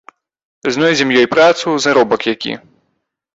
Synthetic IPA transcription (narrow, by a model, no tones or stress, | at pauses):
znɔjd͡zʲɛmjɔjpɾat̪suzaɾɔbɐkjakʲḭ